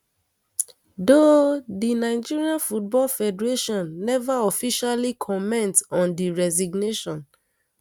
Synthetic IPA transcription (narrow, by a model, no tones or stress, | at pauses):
dodinaɪd͡ʒiɹiãnfut̚bɔlfɛdɛɹeʃɔ̃nːɛvaɔfiʃalikʰɔmɛ̃ntsɔ̃ndiɹɛziɡneʃɔ̃n